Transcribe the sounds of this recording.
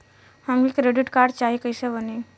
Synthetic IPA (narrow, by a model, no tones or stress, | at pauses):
hɐmikɾeɖɪʈkaːɾɖt͡ʃaːɦiekəɪsebəneː